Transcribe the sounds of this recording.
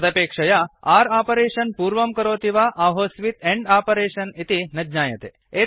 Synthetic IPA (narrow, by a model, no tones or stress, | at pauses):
t̪ɐpeːkʂɐjaaːɾaːpɐɾeːʃɐnpuːɾʋɐmkɐɾoːt̪iʋaʔaːɦoːsʋit̪eɳɖaːpɐɾeːʃɐnit̪inɐd͡ʒɲaːjɐt̪ḛ | e